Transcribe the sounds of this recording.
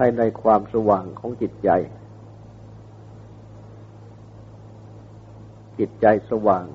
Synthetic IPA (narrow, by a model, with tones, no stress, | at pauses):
a˥˩na˧jkʰwaː˧msa˧waː˨˩ŋkʰɔː˩˦ŋt͡ɕi˨˩t̪̚t͡ɕa˧j | t͡ɕi˨˩t̪̚t͡ɕa˧jsa˧waː˨˩ŋ